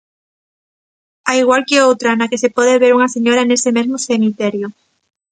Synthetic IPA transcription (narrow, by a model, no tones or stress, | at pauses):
aiɣ̞walkeowt̪ɾanakesepoðeβ̞eɾuŋaseɲoɾaenesemezmosemit̪eɾjo